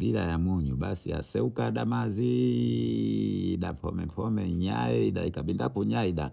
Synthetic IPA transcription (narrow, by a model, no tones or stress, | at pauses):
biɾajamwɔɲuɓasḭa̰sɛukaɗamazi | ɗapʰɔmɛpʰɔmɛɲaɛiɗaikaɓindapuɲaiɗa